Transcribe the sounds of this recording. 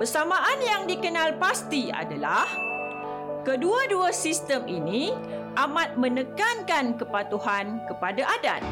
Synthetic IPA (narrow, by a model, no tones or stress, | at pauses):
pərsamãʔanjaŋdikənãlpast̪ia̰dalah | kəduaduasist̪əmʔinĩ | ʔamãt̪̚mə̃nəkankankəpat̪uɦankəpadaʔada̰t̪̚